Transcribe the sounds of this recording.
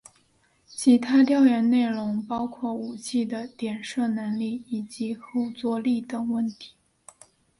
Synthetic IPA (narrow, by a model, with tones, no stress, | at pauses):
t͡ɕʰi˧˥t̪ʰa˥t̪jɑ˥˩ʊjɛ˧˥nne˥˩ɪlʊ˧˥ŋpɑ˥ʊkʰwɔ˥˩u˨˩t͡ɕʰi˥˩d̪ə˩t̪jɛ˨˩nʂɤ˥˩nə˧˥nli˥˩i˨˩t͡ɕi˧˥xo˥˧ʊt͡swɔ˥˧li˥˩d̪ə˨˩wə˥˩nt̪ʰi̥˧˥˦